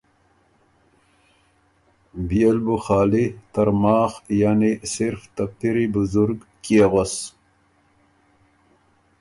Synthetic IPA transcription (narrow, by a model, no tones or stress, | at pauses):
bielbuxɑːlit̪aɾmɑːxjaːnisɪɾft̪af̚t̪iɾibʊzuɾɡkeɣos